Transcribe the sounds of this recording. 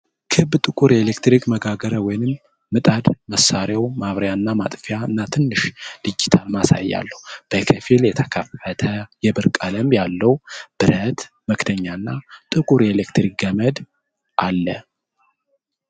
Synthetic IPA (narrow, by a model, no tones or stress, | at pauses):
kʰɨbt̪ʼɨkʼuɾelekt̪ɾikməɡaɡəɾəwɔjnɨmː | ɨt̪ʼad̪məsːaɾjawmaβɾjaɨnːama̰t̪ʼfijaɨnːat̪ʰɨnːɨʃd̪̥ɨd͡ʒːit̪ʰalmasa̰jːa̰lːəhwub̥əkʰəfiljɛt̪ʰəkʰəfət̪ʰəjɛbɨɾkʼaləmjalːəwb̥ɨɾət̪ | məkt̪ʰəɲːaɨnːat̪ʼɨkʼuɾelekt̪ɾik̚ɡəməd̪ | ʔalːə